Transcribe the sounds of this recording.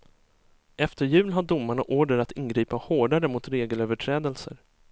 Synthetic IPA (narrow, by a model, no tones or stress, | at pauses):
ɛft̪əɾjʉ̟ːlɦaɖʊmːaɳaʔoːɖəɾat̪ɪnɡɾiːpahoːɖaɾəmʊt̪ɾeːɡəløːvəʈʰɾɛːd̪əlsə̰ɾ